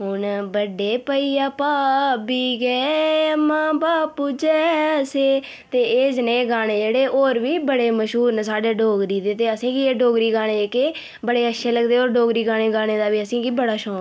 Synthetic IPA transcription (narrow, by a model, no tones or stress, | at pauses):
ɦʊnbəɖeːpəiːaːpaːbiːɡɛːmãːbaːpuːd͡ʒɛːseː | t̪eːeːd͡ʒnẽːɡaːñeːd͡ʒeːɽeːʔoːɾʋiːbəɽeːməʃɦuːɾnsaːɖeːɖʱoːɡɾiːd̪eːt̪eːəsĩːkiːeːɖoːɡɾiːɡaːɽ̃eːeːke | bəɽeːəʃʰeːləɡd̪eːoːɾɖoːɡɾiːɡaːɽ̃eːɡaːɽ̃eːd̪aːʋiːəsĩːkiːbəɽaːʃɔ̃ː